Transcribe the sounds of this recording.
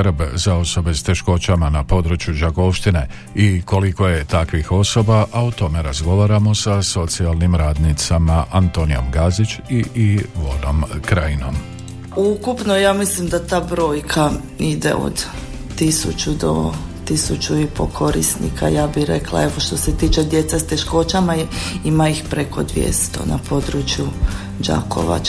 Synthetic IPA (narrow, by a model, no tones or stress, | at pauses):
ɾbzao̞so̞be̞st̪e̞ʃko̞t͡ɕamanapo̞d̪ɾut͡ʃjud͡ʒaɡo̞ʋʃt̪ine̞ | iko̞liko̞je̞t̪akʋixo̞so̞baʔaot̪o̞me̞ɾazɡo̞ʋaːɾamo̞saso̞t̪sialˠnimɾaːd̪nit̪samaʔant̪o̞nijo̞̰mɡazit͡ɕiiʋo̞̰nomkɾaino̞̰m | ukupno̞jaːmislimd̪at̪aːbɾo̞ːjkʰa | id̪e̞̰o̞̰d̪ | t̪isut͡ʃud̪o̰t̪isut͡ʃuipo̞kʰo̞ɾḭsnḭkʰa̰jaːbiɾe̞̰klˠa̰e̞ʋo̞ʃt̪o̞se̞t̪iːt͡ʃe̞d̪je̞t̪sest̪e̞ʃko̞t͡ʃamaimaixpɾe̞kʰo̞d̪ʋjḛst̪o̞̰na̰po̞d̪ɾut͡ʃju | d͡ʒa̰kʰo̞̰ʋa̰t͡ʃ